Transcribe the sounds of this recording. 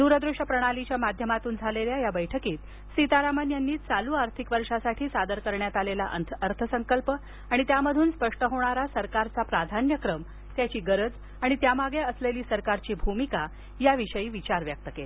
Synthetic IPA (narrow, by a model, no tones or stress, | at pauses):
d̪uɾəd̪ɾeʂəpɾəɽ̃alit͡ɕjamad̪ʱjəmat̪uːnd͡zʱaleljajabəjʈʰəkiːt̪ | sit̪aɾamənjanːiːt͡saluːaɾt̪ʰikʋəɾʂasaʈʰiːsad̪əɾkəɾɳjat̪alela̰ʔəəɾt̪ʰəsəŋkəlpə | aɽ̃it̪jaməd̪ʱuːnspəʂʈəɦoɽ̃aɾasəɾkaɾt͡sapɾad̪ʱanjəkɾəm | t̪jat͡ɕiːɡəɾəd͡z | aɽ̃it̪jamaɡeəsleliːsəɾkaɾt͡ɕiːbʱumika | jaʋiʂəjiːʋit͡ɕaɾʋjək̚t̪əke